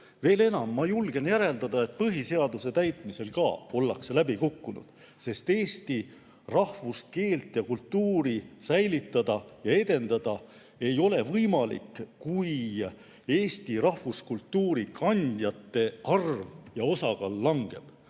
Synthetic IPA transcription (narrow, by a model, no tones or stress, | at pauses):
ve̞ːle̞nɑmːɑjulɡ̥e̞njæɾe̞ld̪ɑd̪ɑe̞t̪̚pɤɦise̞ɑd̪use̞t̪æjt̪ˑmise̞lkɑːo̞lːɑ̰kselæbikukːunṵd̪̥ | se̞st̪e̞ːst̪i | rɑhvust̪̚ke̞ːlt̪ˑjɑkult̪ːuːɾisæjlit̪ːˑɑd̪̥ɑjɑe̞d̪̥e̞nd̪̥ɑd̪̥ɑ | e̞jo̞le̞vɤjmɑlḭkːuj | e̞ːst̪irɑhvuskult̪ːuːɾikʰɑnʲd̪̥jɑt̪ːe̞ɑrvjɑo̞sɑkɑlːɑŋɡ̥e̞̰b̥